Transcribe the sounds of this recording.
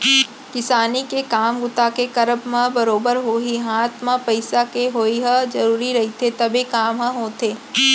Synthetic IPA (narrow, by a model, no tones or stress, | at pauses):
kɪsaːnikekaːmɡʊt̪akekɐɾəbmãbɐɾoːbəɾɦoːɦiɦaːt̪ʰmãpɐɪsakeɦoːiɦɐd͡ʒɐɾuːɾiɾɐɦit̪ʰet̪ɐbekaːmɦɐ̃ɦoːt̪ʰeː